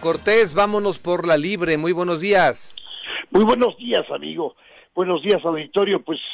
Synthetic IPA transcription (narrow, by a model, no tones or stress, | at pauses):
ko̞ɾt̪e̞zβamono̞spo̞ɾlaliβɾe̞mujβwe̞no̞zðiasmujβwenozðiasamḭɣo | b̥wenozðiasawðik̚t̪oɾjo̞pwes